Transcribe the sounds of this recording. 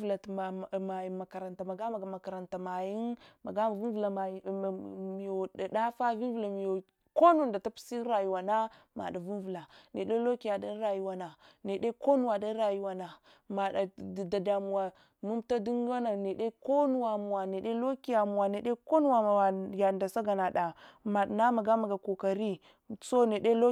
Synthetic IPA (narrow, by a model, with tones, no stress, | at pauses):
vla˨tma˨ji˨ma˨ka˨ɾa˨nta˨ma˨ɡa˦ma˨ɡa˨ma˨ka˨ɾa˨nta˨ma˨ji˦nma̰˨ɡa˦ma˨vu˦n˦vu˨la˨ma˨˦˨mi˨jo˨a˨da˦fa˦vi˦n˦vu˨la˨mi˨jo˨ | ko˦nu˨nda˨ta˦pi̥˦si˦ɾa˨ju˨wa˨na˦ | ma̰˨da˨vu˦n˦vu˨la˨ne˨ɗe˦lo˦ki˦ja˨da˦n˦ɾa˨ju˦wa˨na˨ne˨de˦ko˦nu˨wa˨da˦ɾa˨ju˦wa˨na˨ | ma˨da˨da˨da˨mu˨wa˨ | mu˦m˦ta˦di˦ŋ˦wa˦na˨ne˨de˦ko˦nu˦˨wa˨mu˨wa˨ne˨de˦lo˦ki˦ja˨mu˨wa˨ne˨ɗe˦ko˦nu˦wa˨a˨wa˨ja˨nda˨sa˦ɡa˨na˨da˨ma˨dna˦ma˨ɡa˦ma˨ɡa˨ko˨ka˨ɾi˦ | so˦ne˨de˦lo˦